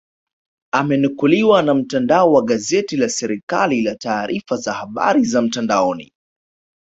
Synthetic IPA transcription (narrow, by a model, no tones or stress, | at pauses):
amɛnukuliwanam̩tandaɔwaɠazɛtilasɛɾikalilataːɾʔifazahaɓa̰ɾizam̩tandaɔnḭ